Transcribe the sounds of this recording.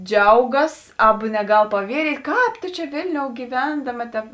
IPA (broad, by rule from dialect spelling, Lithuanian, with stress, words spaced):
ˈd͡ʒʲɛʊɡɐs ˈɑːbɐ nʲɛˈɡɐlˠ pɐˈʋʲiɛrʲiːtʲ ˈkɑːp toː ˈt͡ʃʲɛ ˈʋʲeːlʲnʲoːʊ ɡʲiːˈʋʲɛndɐmɐ tʲɛp